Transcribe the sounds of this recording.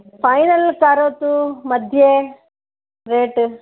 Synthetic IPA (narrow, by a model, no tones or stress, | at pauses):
pʰɐjnɐlkaːɾoːt̪umɐd̪ʱje | ɾeːʈ